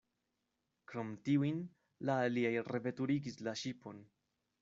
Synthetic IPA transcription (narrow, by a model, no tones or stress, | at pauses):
kɾo̞mtiuin | laːliajɾe̞ve̞tuɾiɡislaʃipo̞n